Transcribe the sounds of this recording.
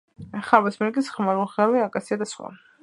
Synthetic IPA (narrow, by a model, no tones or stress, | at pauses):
χaɾbasmɛɾkʼisχmaɾulˠʁaɾwɛakʼasiad̪asχwa̰